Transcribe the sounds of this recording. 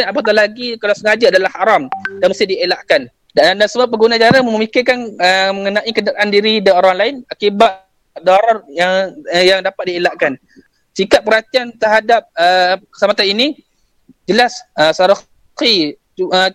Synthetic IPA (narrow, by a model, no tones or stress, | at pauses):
napat̪̬alaɡikalasəɡahad͡ʒaadalahhaɾamdanməst̪ɪhdielaʔkan | dandansəmuap̬əɡunat͡ʃaɾaməəmikɪrkanəməŋənãʔikənaɾaʔandiɾidaoɾaŋlaɪnakiba | dɔɾɔrjaŋjaŋdapat̪̚dielaʔkan | sikap̚pːəɾat̪iant̪əɾɦadap̚əkə̥samat̪anini | d͡ʒəlasəsaɾɔ | i | ə